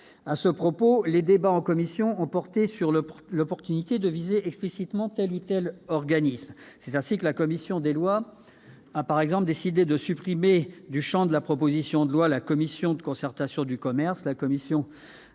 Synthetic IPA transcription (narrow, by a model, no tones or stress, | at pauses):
asəpχɔpoled̪ebaɑ̃kɔmisjɔ̃ɔ̃pɔʁt̪esyʁllɔpɔʁt̪ynit̪ed̪əvizeɛksplisit̪mɑ̃t̪ɛlut̪ɛlɔʁɡanismsɛt̪ɛ̃sikəlakɔmisjɔ̃d̪elwa | apaʁɛɡzɑ̃pld̪esid̪ed̪əsypχimed̪yʃɑ̃d̪əlapχɔpozisjɔ̃d̪əlwalakɔmisjɔ̃d̪əkɔ̃sɛʁt̪asjɔ̃d̪ykɔmɛʁslakɔmisjɔ̃